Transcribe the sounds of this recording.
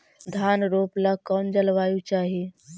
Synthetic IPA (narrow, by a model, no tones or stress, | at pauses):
d̪ʱjaːnɾoːplakɔːnd͡ʒəlʋaːjut͡ʃaːɦi